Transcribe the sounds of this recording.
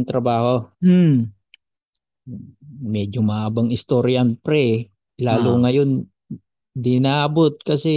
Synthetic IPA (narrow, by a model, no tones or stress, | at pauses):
ŋt̪ɾɐbaːho | mɛːd͡ʒomaʔabaŋɪst̪oɾjɐnpɾɛ | laːlʊŋɐjon | d̪ɪnaːbot̪̚kɐsɛ